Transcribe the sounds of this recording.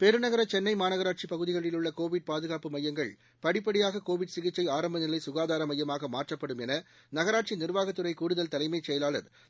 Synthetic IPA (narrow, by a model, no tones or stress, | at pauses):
pɛɾɯnɐɣɐɾɐt͡ʃɛnːɐɪmaːnɐɣɐɾaːʈ̚t͡ʃipɐɣɯðɪɣɐɭɪlɯɭːɐkoːʋɪɖ̚paːðɯɣaːpɯmɐjːɐŋɡɐɭ | pɐɽɪpːɐɽɪjaːɣɐkoːʋɪɖsɪɣɪt͡ʃːɐɪaːɾɐmbɐnɪlɐɪsʊɣaːðaːɾɐmɐjːɐmaːɣɐmaːʈrɐpːɐɽɯmɛnɐ | nɐɣɐɾaːʈt͡ʃinɪrʋaːɣɐt̪ːɯɾɐɪkuːɽɯðɐlt̪ɐlɐɪmɐɪt͡ʃːɛjɐlaːɭɐ̰ð